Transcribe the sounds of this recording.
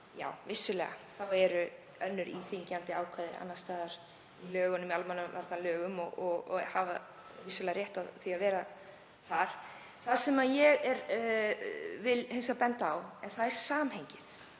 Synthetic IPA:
ja̰ːwvɪsːʏlɛːɣa̰θawɛɾʏ | œnːʏɾʔḭθiɲcant̪ɪaːwkʰaːðɪɾa̰nːast̪aːðaɾ̥ | ilœːɣʏnʏmialmanːʏmalt̪anlœːɣʏmɔɣɔɣhava̰ | vɪsːʏlɛːɣaɾjɛht̪aθiavɛːɾa | θaɾ̥ | θaðsɛmajɛɣɛɾ | vɪlhɪnsapɛnt̪aːwɛnθaðɛɾ̥saːmhejɲcɪθ

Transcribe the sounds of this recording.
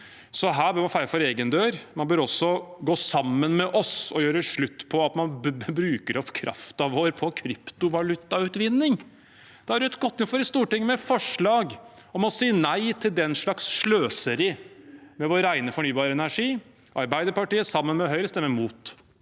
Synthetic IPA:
sɔɦæːbøːɾmɑnfæɪɾəfɔɾeːɡənd̪øːɾmɑnbøːɾɔsːɔɡoːsɑmːənmɛʔɔsɔjøːɾəʂɭʉt̪ːpʰɔɑt̪mɑnbɾʉːkəɾɔpkʰɾʔɑ̰ft̪ɑʋoːɾpʰɔkʰɾɪpt̪ʊʋɑlʉt̪ːɑʉt̪ʋɪnːɪŋ | d̪̥ɛhɑɾɖɛt̪ɡɔt̪ːɪnfɔɾɪst̪uːʈɪŋːmɛfɔʂɭɑːɡɔmɔsiːənæɪt̪ʰɪld̪ɛnʂɭɑksʂɭøːsəɾɪmɛʋoːɾɾæɪnəfɔɳyːbɑːɾəɛnæʂiː | ʔɑɾbæɪd̪əɾpɑʈiːəsɑmːənmɛɦœʏɾəst̪ɛmːəmuːt̪

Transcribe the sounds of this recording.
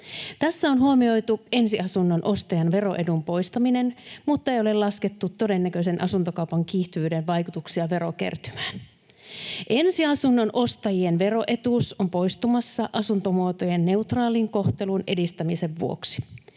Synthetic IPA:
t̪æsːæonɦuomio̞jt̪ue̞nsiɑsunːonʔo̞st̪ɑjɑnʋe̞ro̞̰ʔedumpo̞jst̪ɑmine̞nmut̪ːɑe̞jo̞le̞lɑsket̪ːut̪tːo̞de̞nːækøse̞nʔɑsunt̪okɑwpɑŋk̟iːht̪yʋyːde̞nʋɑjkut̪uksiɑʋe̞ɾoke̞̰rt̪y̥mæːn | ʔe̞nsiɑsunːonʔo̞st̪ɑjienʋe̞ro̞ʔe̞t̪usompo̞jst̪umɑsːɑʔɑsunt̪o̞muot̪ojenːe̞ut̪rɑːliŋko̞ht̪e̞lune̞̰dist̪æmise̞ʋːuo̞̰ksi̥

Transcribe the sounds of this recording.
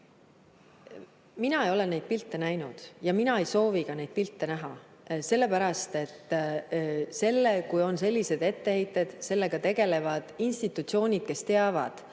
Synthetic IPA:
minɑejo̞le̞nːe̞jd̪̥̚pilt̪ːˑe̞næjnud̪̥jɑminɑejso̞ːvikɑne̞jd̪̚pilt̪ːe̞næɦɑ | se̞lːe̞pæɾɑst̪e̞t̪ːˑ | se̞lːekujo̞nse̞lʲːise̞d̪̥e̞t̪ːe̞hejt̪ːˑe̞d̪̥se̞lːe̞ɡ̥ɑt̪e̞ɡ̥e̞le̞vɑd̪̥inst̪it̪ːˑut̪sio̞ːnʲid̪̥̚ke̞st̪e̞ɑvɑ̰d̪̥

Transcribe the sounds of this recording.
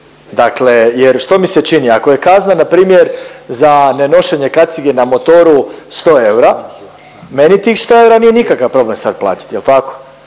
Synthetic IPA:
d̪akle̞jeɾʃt̪o̞miset͡ʃiniako̞je̞kaznanapɾiːmjeɾzane̞no̞ʃeɲe̞kat̪siɡe̞namo̞t̪oɾust̪o̞ːe̞wɾa | me̞nit̪iːxst̪o̞e̞wɾanije̞nikakaʋpɾo̞ble̞msad̪plˠa̰ːt̪i̥t̪jelt̪ako̥

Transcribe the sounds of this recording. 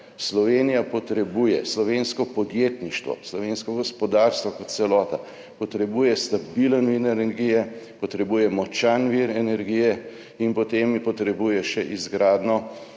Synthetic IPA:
slɔʋeːnijapɔt̪ɾɛbuːjɛslɔʋeːnskɔpɔd̪jet̪niʃt̪ʋɔ̰slɔʋeːnskɔɡɔspɔd̪aːɾst̪ʋɔkɔt̪̚t̪sɛlɔːt̪a | pɔt̪ɾɛbuːjɛst̪abilənʋinɛnɛɾɡijɛpɔt̪ɾɛbuːjɛmɔt͡ʃanʋiɾɛnɛɾɡijɛ | inpɔt̪empɔt̪ɾɛbuːjɛʃɛʔizɡɾaːd̪nɔ

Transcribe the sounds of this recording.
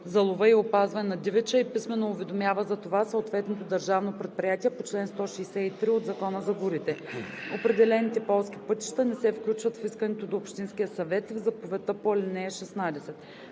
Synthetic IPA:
zɐlˠovəiopazvɐnɛnɐd̪ivɛt͡ʃəipismɛnoːvɛd̪omjavəzɐt̪ovasəot̪vɛt̪not̪od̪ɐɾʒavnopɾɛt̪̚pɾijat̪ʲiɛpot͡ʃlɛnst̪ɔʃɛːsɛit̪ɾiod̪zɐkɔnəzɐɡoɾit̪ɛopɾɛd̪ɛlɛnit̪ɛpɔlˠsk̟ipɤt̪i̥ʃt̪ɐnɛsɛfklʲut͡ʃvɐt̪fiskənɛt̪od̪oːpʃt̪insk̟ijəsɐvɛt̪vzɐpovɛt̪əpolɛnɛːʃɛsnad̪ɛsɛt̪

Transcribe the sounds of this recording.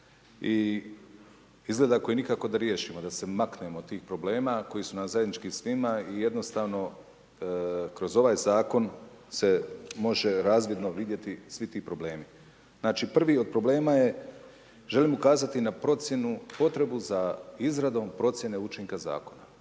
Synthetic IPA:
i | izɡle̞d̪ako̞jiːnikako̞d̪aɾje̞ːʃiːmo̞d̪ase̞maknemo̞t̪ːiːxpɾo̞ble̞ːmako̞jisunamzajed̪nit͡ʃkisʋimaije̞d̪no̞st̪aːʋno̞ | kɾo̞zo̞ʋaːjzaːko̞n | se̞mo̞ʒe̞ɾaːzʋje̞d̪no̞ʋid̪je̞t̪isʋit̪iːpɾo̞ble̞ːmi | znaːt͡ʃipr̩ʋiːo̞d̪̚pɾo̞ble̞ːmaje̞ | ʒe̞liːmukaːzat̪inapɾo̞t̪sje̞nupo̞t̪ɾe̞buzaizɾad̪o̞mpɾo̞t̪sje̞ne̞ut͡ʃiŋkaza̰ːko̞na

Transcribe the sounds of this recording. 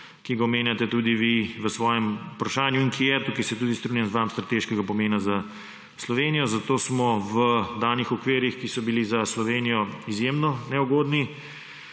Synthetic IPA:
kiɡaɔmeːnjat̪ɛt̪ud̪iʋiʋəsʋɔːjɛmupɾaʃaːnjuiŋkʰijɛt̪ukɛjsɛt̪ud̪ist̪ɾunjanzʋamst̪ɾat̪eʃkɛɡapɔmeːnaza | slɔʋeːnijɔzat̪oːsmɔʋəd̪aːnixɔkʋeːɾixkisɔbilizaslɔʋeːnijɔizjemnɔnɛuɡoːd̪ni

